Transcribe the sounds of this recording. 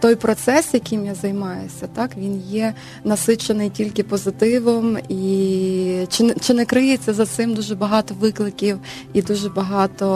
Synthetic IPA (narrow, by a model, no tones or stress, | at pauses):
t̪ɔjpɾɔt̪sɛsjɐkɪjmjazɐjmɑjʊsʲɐt̪ɑkʋʲinjɛ | nɐsɪt͡ʃenɪjtʲilʲkɪpɔzɪt̪ɪʋɪmi | t͡ʃɪt͡ʃɪnɛkɾɪjet͡sʲːɐzɐt̪sɪmd̪uʒɛbɐɦɑt̪ɔʋɪklˠɪkʲiw | id̪uʒɛbɐɦɑt̪ɔ